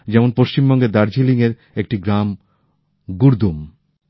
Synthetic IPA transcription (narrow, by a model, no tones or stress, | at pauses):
d͡ʑɛmonpoʃt͡ɕimbɔŋɡed̪aɾd͡ʑiliŋeɾ | ek̚ʈiɡɾam | ɡuɾd̪um